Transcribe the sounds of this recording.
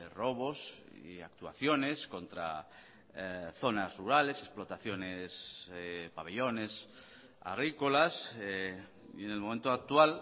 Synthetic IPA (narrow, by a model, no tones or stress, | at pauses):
ro̞βo̞s | a̰k̚t̪ua̰θjo̞ne̞sko̞nt̪ɾa̰ | θo̞nasruɾale̞sesplo̞t̪aθjo̞nes | paβeʎo̞ne̞s | a̰ɣɾiko̞las | ienelmome̞nt̪oak̚t̪ual